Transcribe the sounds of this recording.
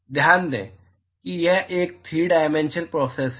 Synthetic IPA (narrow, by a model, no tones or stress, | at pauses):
d̪ʱjaːnd̪ḛ̃ː | kijɛʔeːk̚t̪ʰiːɖaːɪmẽnʃənpɾɔːseːs